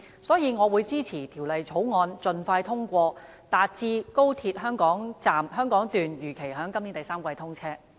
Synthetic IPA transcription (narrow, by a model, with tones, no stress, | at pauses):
sɔː˨˥jiː˨˧ŋɔː˨˧wuː˨˧jt͡siː˥t͡sʰiː˨˩t̪ʰiː˨˩wlɐ˨jt͡sʰo˨˥wŋɔː˧nt͡sɵ˨nfaː˧jt̪ʰʊ˥ŋkʷɔː˧ | t̪aː˨t̚t͡siː˧ko˥wt̪ʰi˧t̚ɦœː˥ŋkɔː˨˥ŋt͡saː˨mhœː˥ŋkɔː˨˥ŋt̪yː˨njyː˨˩kʰe˨˩jɦœː˨˥ŋkɐ˥mni˨˥nt̪ɐ˨˩jsaː˥mkʷɐ˧jt̪ʰʊ˥ŋt͡sʰɛː˥